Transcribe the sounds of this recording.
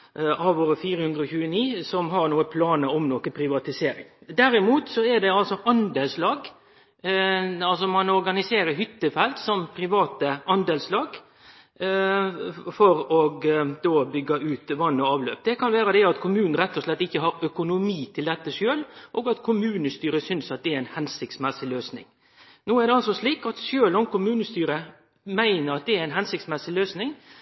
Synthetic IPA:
ʔɑʋoːɾəfiːɾəhʉnd̪ɾəɔçʉːəniːsɔmɦɑɾnuːəpʰlɑːnəɾɔmnokənpʰɾɪʋɑt̪ɪseːɾɪ̰ŋd̪æɾɪmuːt̪sɔædɛɑlsɔʔɑnd̪elslɑːɡ | ɑlsɔmɑnɔɾɡɑnɪseːɾəɾɦʏt̪ːəfɛlt̪sɔmpʰɾɪʋɑːt̪əʔɑnd̪ɛːlslɑːɡ | fɔɾɔɡd̪oːbʏɡːɑʉːt̪ʋɑnːɔɑːʋlø̰ːp̚d̪ɛkʰɑnʋæːɾəd̪ɛɑt̪kʰʊmʉːn̩ɾɛt̪ːɔslɛt̪ːɪçːəɦɑɾœkʊnʊmiːt̪ʰɪld̪ɛt̪ːəʂøːlʔoːɡɑt̪kʰʊmʉːnəst̪yːɾəsʏnsɑt̪̚d̪ɛæɾæɪnhɛnsɪk̚t̪smɛsɪløːsnɪ̰ŋ | noːæɾd̪ɛɑlsɔsliːkɑt̪ʃøːlɔmkʊmʉːnəst̪yːɾə | mæɪnəɾɑt̪̚d̪ɛæɾæɪnɦɛnsɪkt̪smɛsɪløːsnɪŋ

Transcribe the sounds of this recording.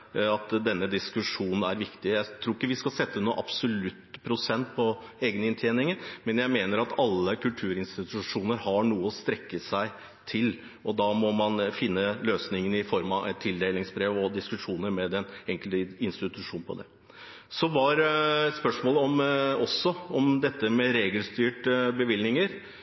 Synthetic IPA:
ɑt̪d̪ɛnːəd̪ɪskʉʂuːnn̩æɾʋɪkt̪ɪjæɪt̪ʰɾuːɪkːəʋɪskɑlsɛt̪ːənuːʔɑ̰b̥sɔlʉt̪ːpʰɾʊsɛnt̪̚pʰɔeːɡənəɪnt̪ʰjeːnɪŋənmɛnjæɪmeːnəɾɑt̪ʰɑlːəkʉlt̪ʰʉːɾɪnst̪ɪt̪ʉʂuːnəɾhɑɳuːəɔst̪ɾɛkːəsæɪ | t̪ʰɪl | ʔɔd̪ɑːmɔmɑnfɪnːəløːsnɪŋənɪfɔɾmɑɛt̪ʰːɪld̪eɪlɪŋsbɾeːʋɔd̪ɪskʉʂuːnəɾmɛd̪ɛnɛŋkəlt̪ɪnst̪ɪt̪ʉʂuːnpʰɔ̰d̪ɛ̰ | sɔʋɑɾspœʂmoːləɔmɔsːɔɔmd̪ɛt̪ːəmɛɾeːɡəlst̪yːʈbəʋɪlnɪŋəɾ

